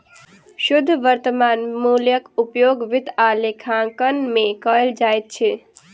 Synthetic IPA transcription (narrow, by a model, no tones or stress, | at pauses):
ʃʊd̪ʱːʋəɾt̪əmaːnmuːljəkupjoːɡʋɪt̪aːlekʰãkənmẽkəld͡ʒaːjt̪̚t͡ʃʰɛ